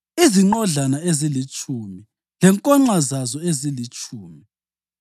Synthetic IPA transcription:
iziŋ͡ǃɔɮanaezilit͡ʃʼumi | lɛŋkʼɔŋ͡ǃazazɔezilit͡ʃʼuːmi

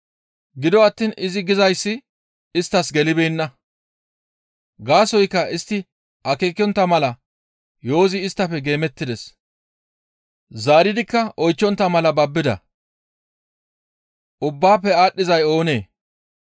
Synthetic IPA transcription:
ɡɪd̪ɔɐt̪ːiːnɪzɪɡɪzɐjsːɪ | ɪst̪ːɐsɡɛlɪbeːnːɐ | ɡaːsɔjkːɐɪst̪ːɪ | ʔɐkeːkɪjɔnt̪ːɐmɐlɐ | jo̞ːzɪːst̪ːɐpːɛɡe̞ːmɛt̪ːɪd̪ɛs | zaːɾɪd̪ɪkːɐʔɔjt͡ʃːɔnt̪ːɐmɐlɐbɐbːɪd̪ɐ̰ | ʔʊbːaːpːɛaːɗːɪzɐjo̞ːne̞ː

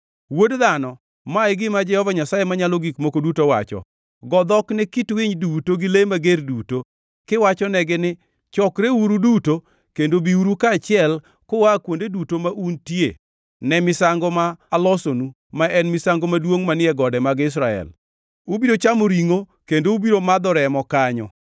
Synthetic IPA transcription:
wodðanɔ | maɪɡɪmad͡ʒɛhɔvaɲasajemaɲalɔɡikmokodutowa̰t͡ʃɔ̰ | ɡɔd̪ɔknɛkitwɪɲdutoɡɪlemaɡerduto | kɪwat͡ʃɔnɛɡɪnɪ | t͡ʃɔkɾeuɾuduto | kendobiuɾukat͡ʃɪɛl | kowakwondedutomaʔuntje | nɛmɪsaŋɡɔmaːlɔsonu | maʔɛnmɪsaŋɡomadwoŋmanɪɛɡɔdɛmaɡɪs̬ɾaɛ̰l | ubiɾot͡ʃamoɾiŋo | kendoubiɾomad̪ɔɾɛmɔkaɲɔ̰

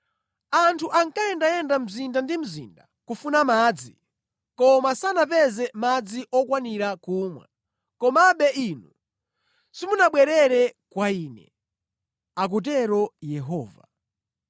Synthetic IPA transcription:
antʰuʔaŋkaɛndajɛndam̩zindandim̩zḭnda | kufunamaːd͡zi | kɔmasanapɛzɛmad͡ziʔɔkwaniɾakuːmwɛ̰ | kɔmaɓɛinu | simunaɓwɛɾɛɾɛkwaiːnɛ̰ | ak̬ut̬ɛɾɔjɛɦɔːva̰

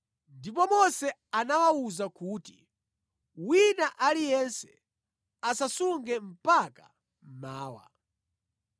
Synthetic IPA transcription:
ndipɔmɔsɛanawawuzakuːti | winaʔalijɛnsɛ | asasuŋɡɛm̩paka̰ | m̩maːwa̰

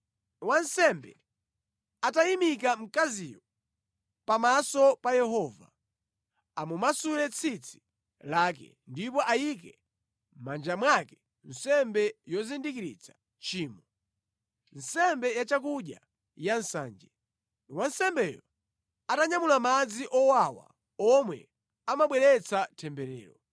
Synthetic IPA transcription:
wansɛmbɛ̰ | atajimik̬am̩kazijɔ | pamasɔpajɛɦɔva̰ | amumasulɛt͡sʰit͡sʰi̥ | laːk̬ɛ̰ | ndipɔʔajik̬ɛ | mand͡ʒamwakɛ̥ | n̩sɛmbɛjɔzindikiɾḭt͡sʰḁ | t͡ʃiːmɔ | n̩sɛmbɛjat͡ʃak̬uɗja̰ | jansa̰ːnd͡ʒɛ | niwansɛmbɛjɔ̰ | ataɲamulamad͡ziʔɔwawa̰ | ɔmwɛ̰ | amaɓwɛɾɛt͡sʰatʰɛmbɛɾɛ̰ːɾɔ

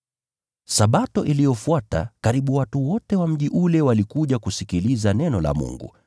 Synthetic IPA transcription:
saɓatɔʔilijɔfuata̰kaɾiɓuwatuwɔtɛwam̩ʄiʔulɛwalikuʄakusikilizanɛnɔla̰mṵŋɡṵ

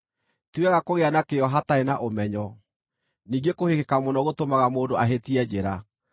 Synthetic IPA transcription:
tuwɛɣakoɣeanakeɔɦataenaʔomɛɲɔ | niːɡekohekekamonɔɣotomaɣamoːndoaɦetiɛd͡ʑeɾa

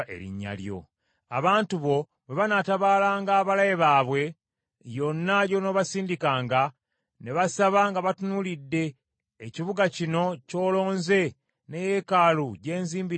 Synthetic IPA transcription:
ḛɾḭɲːa̰ljo̞̰ | a̰βaːntuβo̞ | βe̞βanataβaːlaːŋɡaːβalajeβaːβwe̞ | jo̞nːajo̞no̞βasiːndikaːŋɡa | ne̞βasaβaŋɡaβatunulidːe̞ː | ciβuɡacino̞co̞ːlo̞ːnze̞ | nejekaːluɟe̞ːnziːmbi

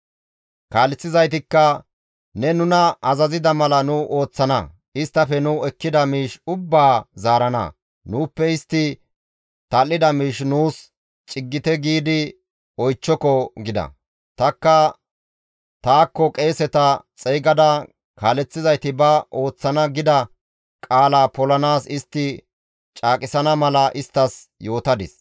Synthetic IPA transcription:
kaːlɛt͡sːɪzɐjt̪̬ɪkːɐ | nɛnʊnɐɐzɐzɪd̪ɐmɐlɐnʊʔo̞ːt͡sːɐnɐ̰ | ɪst̪ːɐfɛnʊɛkːɪd̪ɐmiːʃʊbːaːzaːɾɐnɐ̰ | nuːpːɛɪst̪ːɪ | t̪ɐlːɪd̪ɐmiːʃnuːs | t͡ʃʼɪɡːɪt̪ɛɡiːd̪ɪ | ɔjt͡ʃːɔkɔɡɪd̪ɐ̰ | t̪ɐkːɐ | t̪aːkːɔkʼe̞ːsɛt̪ɐt͡sʼɛjɡɐd̪ɐ | kaːlɛt͡sːɪzɐjt̪ɪbɐʔo̞ːt͡sːɐnɐɡɪd̪ɐ | kʼaːlaːpɔlɐnaːsɪst̪ːɪ | t͡ʃʼaːkʼɪsɐnɐmɐlɐʔɪst̪ːɐs | jo̞ːt̪ɐd̪ɪs

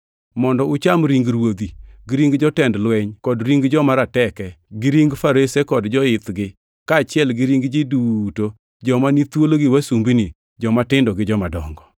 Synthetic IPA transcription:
mɔndɔʊt͡ʃamɾiŋɡɾwod̪iɡɪɾiŋɡd͡ʒɔtɛndlwɛɲkɔdɾiŋɡd͡ʒɔmaɾatɛkɛ | ɡɪɾiŋɡfaɾesekɔdd͡ʒɔɪt̪ɡɪ | kaːt͡ʃɪɛlɡɪɾiŋɡd͡ʒiduto | d͡ʒɔmanit̪woloɡɪwasumbini | d͡ʒɔmatɪndɔɡɪd͡ʒɔmadɔŋɡɔ

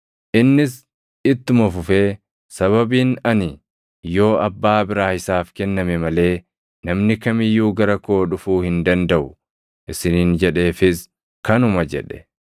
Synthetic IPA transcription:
ʔɪnːɪs | ɪt̪ːʊmɐfʊfeː | sɐβɐbiːnɐnɪ | jo̞ːɐbːaːbɪɾaːhɪsaːfkɛnːɐmɛmɐle̞ː | nɐmnɪkɐmɪjːuːɡɐɾɐko̞ːᶑʊfuːhɪnd̪ɐnd̪ɐʔʊ | ʔɪsɪniːnd͡ʒɛᶑe̞ːfɪs | kɐnʊmɐd͡ʒɛ̰ᶑɛ̥

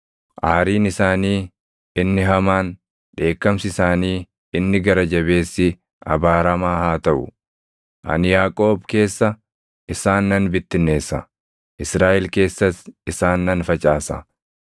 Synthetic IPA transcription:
ʔaːɾiːnɪsaːniː | ɪnːɪɦɐmaːn | ᶑe̞ːkːɐmsɪsaːniː | ɪnːɪɡɐɾɐd͡ʒɐbe̞ːsːɪ | ɐ̰baːɾɐmaːhaːt̪ɐʔʊ̰ | ʔɐ̰njaːkʼo̞ːbke̞ːsːɐ | ʔɪsaːnːɐnbɪt̪ːɪnːe̞ːsːɐ̰ | ʔɪsɾaːʔɛlke̞ːsːɐsɪsaːnːɐnfɐt͡ʃʼaːsɐ̰

